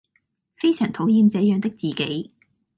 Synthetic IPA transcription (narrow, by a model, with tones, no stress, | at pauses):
fe˥jsʰœː˨˩ŋt̪ʰo˨˥wjiː˧mt͡sɛː˨˧jœː˨˧ŋt̪ɪ˥k̚t͡siː˨˩ke˨˥j